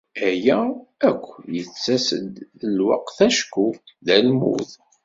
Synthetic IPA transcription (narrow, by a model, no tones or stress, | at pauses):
æjæækʷːjət͡sːæsə̰d̪əlwɑ̰qθæʃku | ðælmṵθ